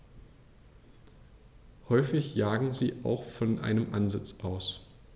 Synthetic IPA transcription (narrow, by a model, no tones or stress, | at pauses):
hɔʏfɪçjaːɡŋ̩ziːʔa̰ʊxfɔnʔa̰ɪnəmʔanzɪt͡sʔaʊs